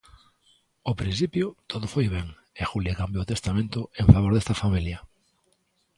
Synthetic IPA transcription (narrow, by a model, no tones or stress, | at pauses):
opɾinθipjʊt̪ʰoðʊfojβɛŋ | exuljekambjoːt̪est̪amẽnt̪ʊeɱfaβ̞oɾðest̪ɐfamiljɐ